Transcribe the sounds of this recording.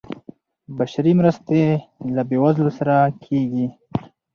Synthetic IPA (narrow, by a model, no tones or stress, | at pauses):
baʃaɾimɾəst̪elabewazlosaɾakʰeɡi